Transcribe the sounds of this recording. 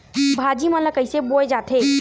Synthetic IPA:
bʱad͡ʒimə̃nləkəjseboed͡ʒat̪ʰe

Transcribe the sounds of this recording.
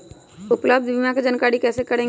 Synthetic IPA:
ʊpləb̚d̪ʱʋimãked͡ʒənkaːɽikɛːsekəɾẽː

